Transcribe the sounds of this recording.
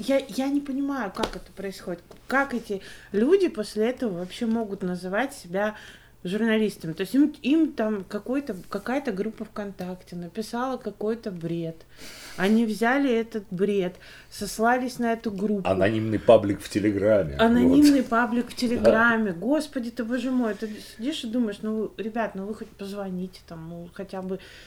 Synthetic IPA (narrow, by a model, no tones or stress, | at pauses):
jajanʲɪpənʲɪmajʊkakɛt̪ə̥pɾəɪsxo̞dʲɪt̪kakɛtʲɪlʲudʲɪpo̞sʲlʲɪɛt̪əvəvɐpɕːemo̞ɡʊt̪nəzɨvatʲsʲɪbʲa | ʐʊrnɐlʲist̪əmʲɪt̪o̞ɪsʲtʲimimt̪amkɐko̞jt̪əkɐkajət̪əɡɾupːəfkɐnt̪aktʲɪnəpʲɪsalˠəkɐko̞jt̪əbɾʲe̞t̪ | ɐnʲivzʲalʲɪɛt̪ət̪̚bɾʲe̞t̪ | sɐslˠalʲɪsʲnɐɛt̪ʊɡɾupɐ̰nɐnʲimnɨjpablʲɪkftʲɪlʲɪɡɾamʲːɪ̰ɐnɐimnɨjpablʲɪkftʲɪlʲɪɡɾamʲːɪɡo̞spədʲɪt̪ɨbəʐɨmojt̪ɨsʲɪdʲiʂɨd̪uməjɪʂnuɾʲɪbʲat̪nuvɨxot̚ʲpəzvɐnʲitʲɪ̥t̪amnuxɐtʲabɨ